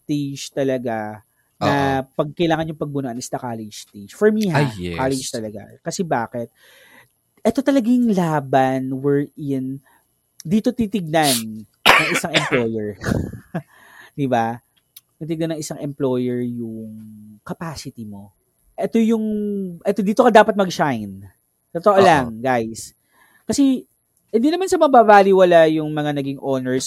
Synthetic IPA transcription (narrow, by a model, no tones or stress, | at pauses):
t̪id͡ʒt̪ɐlɐɡa | nɐpɐɡ̚kɐjlaːŋɐnjʊŋpɐɡ̚bʊnoʔɐnɪst̪ɐkaːlɛd͡ʒt̪id͡ʒfɔɹmihkalɛd͡ʒt̪ɐlɐɡa̰kɐsɛbaːkɛt̪̚ | ʔɛt̪o̞t̪ɐlɐɡɪŋlaːbɐnwɛɹʔɪn | d̪iːt̪o̞t̪it̪ɪɡ̚nanː | ɐŋʔɪsaŋʔɛmplo̞jɛɹ | d̪ɪba | t̪it̪ɪɡ̚nanːɐŋʔɪsaŋʔɛmplo̞jɛɹjʊŋkɐpaːsɪt̪imo̞ | ʔɛt̪o̞jʊŋʔɛt̪od̪iːt̪o̞kɐd̪aːpɐt̪̚mɐɡʃajn | t̪ot̪oʔolɐŋɡajs | kɐsɛ | hɪnd̪iːnɐmansɐmɐbabaːlɪwɐlajʊŋmɐŋanɐɡiŋʔo̞ːnɛɹs